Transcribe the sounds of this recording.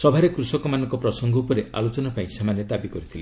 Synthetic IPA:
sɔbʱaɾekɾusɔkɔmanɔŋkɔpɾɔsɔŋɡʱɔupɔɾea̰lot͡ʃɔnapaĩsemaned̪abikɔɾit̪ʰile

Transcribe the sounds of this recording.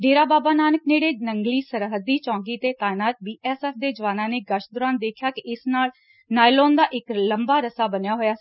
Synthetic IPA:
ɖeːɾaːbaːbaːnaːnəkneːɽeːnəŋɡliːsəɾɦəd̪iːt͡ʃɔ̃ːŋɡiːt̪eːt̪aːɪnaːt̪̚biːɛːsɛːfʰd̪eːd͡ʒəʋaːnãːneːɡəʃd̪ʊɾaːnd̪eːkʰjaːkɪʔɪsnaːl | naːɪloːnd̪aːʔɪkləmbaːɾəsaːbənjaːɦoːjaːs

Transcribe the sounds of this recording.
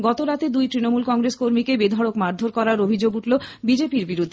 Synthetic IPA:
ɡɔt̪oɾat̪ed̪ujt̪ɾinomulkɔŋɾeskoɾmikebed̪ʱɔɽokmaɾd̪ʱoɾkɔɾaɾobʱid͡ʑoɡuʈlobid͡ʑepiɾbiɾud̪ʱːe

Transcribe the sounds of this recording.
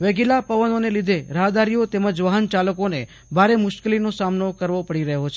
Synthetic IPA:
ʋeɡilapəʋənonelid̪ʱeɾəɦd̪aɾijot̪ɛməd͡ʒʋaɦənt͡ʃaləkone | bʱaɾemʊʃkəlinosamnokəɾʋopəɽiɾəɦot͡ʃʰe

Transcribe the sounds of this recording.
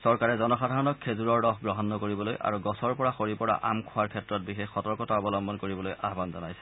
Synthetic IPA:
sɔɹkaɹɛzɔnɔxadʱaɹɔnɔkʰːezuɹɔɹːɔxɡɹɔɦɔnːɔkoɹibɔlojʔa̰ɹuɡɔsɔɹpɔɹaxoɹipɔɹa̰ʔamkʰʊaɹkʰɛtɹɔt̚bixexɔtɔɹkɔtaɔbɔlɔmbɔnkoɹibɔlojʔaɦbanzɔnajsɛ̥

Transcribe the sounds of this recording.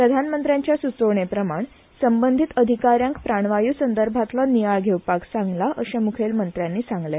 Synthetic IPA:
pɾəd̪ʱanmənt̪ɾjaɲt͡ɕjasut͡soɳ̃epɾəmaɳ | səmbənd̪ʱit̪əd̪ʱikaɾjãŋkpɾaɳ̃ʋajuːsənd̪əɾbʱat̪lɔnijaɭɡʱewpaksãŋɡlaʔəɕẽmukʰelmənt̪ɾjanːiːsãŋɡle

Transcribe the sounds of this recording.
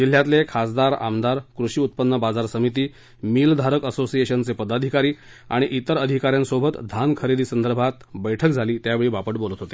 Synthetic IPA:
d͡ʑil̤jat̪lekʰasd̪aɾa̰md̪aɾkɾuɕiːut̪̚pənːəbad͡zaɾsəmit̪̬iː | mild̪ʱaɾəkəsosieɕənt͡sepəd̪ad̪ʱikaɾiː | a̰ɽ̃iʔit̪əɾəd̪ʱikaɾjansobʱət̪d̪ʱankʰəɾed̪iːsənd̪əɾbʱat̪bəjʈʰəkd͡zʱaliːt̪jaʋeɭiːʋapəʈbolət̪ɦot̪e̥

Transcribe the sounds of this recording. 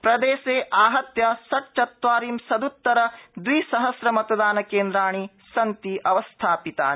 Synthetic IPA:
pɾɐd̪eːseːʔaːɦɐt̪jɐsɐʈ̚t͡ʃɐt̪ʋaːɾiːmsɐd̪ut̪ːɐɾɐd̪ʋisɐɦɐsɾɐmɐt̪ɐd̪aːnɐkeːnd̪ɾaːɳ̃i | sɐnt̪iʔɐʋɐst̪ʰaːpit̪a̰ː

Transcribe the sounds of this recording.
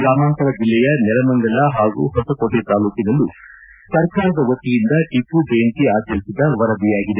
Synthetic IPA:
ɾaːmaːnk̪ɐɾɐd͡ʒilːɛjɐnɛlɐmɐŋɡɐlɐɦaːɡṵɦɔsɐkoɽet̪aːluːkinɐlːu | sɐɾkaːɾɐd̪ɐʋɐt̪ːijind̪ɐʈipubeːnʈiaːd͡ʒɐlisid̪ɐʋɐɾɐb̪ijaːɡid̪e

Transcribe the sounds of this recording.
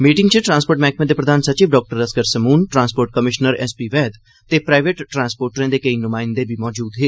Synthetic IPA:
miːʈɪ̃ŋɡt͡ʃeʈɾãːnspoːɾʈmɛ̃ːk̚ʰmẽd̪eːpɾəd̪aːnsɐt͡ʃiːʋɖɔːk̚ʈəɾəskəɾsəmuːnʈɾãːnspoːɾʈ̚kəmɪʃnəɾɛ̰ːspiːʋɛːd̪ | t̪epɾaːɪʋeʈːɾãːnspoːɾʈɾẽːd̪eːkəinʊmãːɪnd̪ebʱimɔːd͡ʒuːd̪ɦeː

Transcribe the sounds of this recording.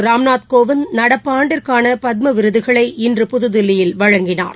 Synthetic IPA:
ɾaːmnaːt̪koːʋɪnnɐɽɐpːaːɳɖɪɾkaːnɐpɐð̚mɐʋɪɾɯðɯɣɐɭɐɪʔɪndrɯpʊðɯðɪlːɪjɪlʋɐɻɐŋɡɪna̰ːɾ

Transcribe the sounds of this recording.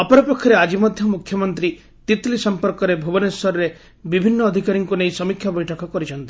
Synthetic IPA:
ɔpɔɾɔpɔkʰːɔɾead͡ʒimɔd̪ʱjɔmukʰjɔmɔnt̪ɾi | t̪it̪lisɔmpɔɾkɔɾebʱubɔnesɔɾɔɾe | bibʱinːɔːd̪ʱikaɾiŋkuneisɔmikʰjabɔjʈʰɔkɔkɔɾit͡ʃʰɔnt̪i̥

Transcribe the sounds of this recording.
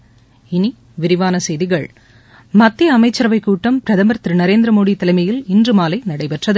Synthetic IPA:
ɪni | ʋɪɾɪʋaːnɐsɛjðɪɣɐɭ | mɐt̪ːiɐmɐɪt͡ʃːɐɾɐʋɐɪkːuːʈːɐmpɪɾɐðɐmɐɾt̪ɾɯnɐɾeːnd̪ɾɐmoːɽit̪ːɐlɐɪmɐjɪlɪndrɯmaːlɐɪnɐɽɐɪpɛʈrɐðɯ

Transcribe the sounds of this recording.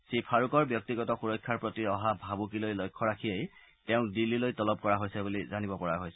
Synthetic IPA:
sipʰaɹukɔɹbjɔk̚tiɡɔtɔxuɹɔjkʰːaɹpɹotiɹɔɦabʱabukilojlojkʰːɔɹakʰiej | tɛʊ̃dilːilojtɔlɔb̚kɔɹaɦojsɛbulizanibɔpɔɹaɦojsɛ

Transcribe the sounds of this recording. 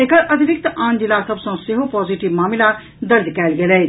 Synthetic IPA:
ekəɾʔɐd̪ʱibɪk̚t̪ãːnd͡ʒilasɐbsɐ̃sɪɦopɔːziʈibmaːmla | d̪ɐɾd̪kɛːlɡelɛː

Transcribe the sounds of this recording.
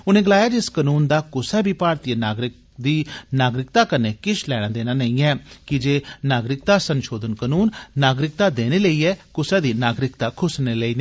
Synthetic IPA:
ʊnẽːɡəlaːjaːd͡ʒɪskənuːnd̪aːkʊsɛːbʱiːpaːɾt̪jenaːɡɾɪk | d̪iːnaːɡɾɪk̚t̪aːkəneːkɪʃlɛːɽ̃ãːd̪eːnaːnəĩːɛːkɪd͡ʒeːnaːɡɾɪk̚t̪aːsənʃoːd̪ənkənuːnːaːɡɾɪk̚t̪aːd̪eːneːləiːɛːkʊsɛːd̪iːnaːɡɾɪkt̪aːkʰʊsneːləiːneː

